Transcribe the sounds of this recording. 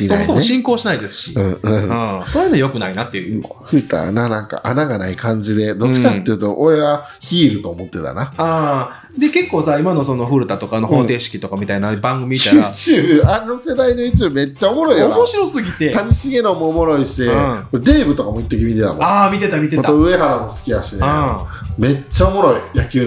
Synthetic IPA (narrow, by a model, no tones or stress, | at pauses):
esomosomoeɕĩŋko̞ːɕinaid̪e̞sɨ̥ɕi̥ɯ̟̃ːɯ̃ɯ̃soːjɯnojo̞kɯ̟nainat̪ːeɯɸɯ̟ɾɯ̟t̪a̰nanãŋka̰ʔanaɡanaikʰãɲ̟d͡ʑid̪e̞d̪ot͡ɕiikat̪ːejɯ̟t̪o̞ʔoɾe̞βa | çiːɾɯ̟t̪o̞ːmo̞t̪ːe̞t̪a̰naaː | d̪e̞ke̞kːo̞ːsaimano̞so̞no̞ɸɯ̟ɾɯ̟t̪at̪okanohoːt̪e̞ːɕi̥kʲit̪o̞kamʲit̪ainabãŋɡɯ̟mʲimiaat͡ɕɨaɾe̞nose̞d̪ainoɯ̟t͡ɕime̞t͡ɕːaomo̞ɾo̞ijaamoɕiɾo̞sɨɡʲit̪e̞t̪aɲ̟iɕiɡe̞nomoːmo̞ɾo̞iɕikoɾed̪e̞ːbɯ̟t̪o̞kamoit̪ːo̞k̬ʲimʲit̪e̞t̪a̰mo̰amʲit̪e̞t̪amʲit̪eoaoɯ̟e̞ɦaɾamo̞sɨ̥kʲid̪aɕine | me̞t͡ɕːaomo̞ɾo̞ijakʲɨː